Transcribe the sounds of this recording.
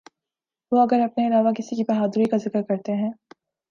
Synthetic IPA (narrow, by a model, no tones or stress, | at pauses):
ʋoɐɡəɾɐpneɪlaːʋakɪsikibɐɦaːd̪ʊɾikazɪkəɾkɐɾt̪eɦɛ̃ː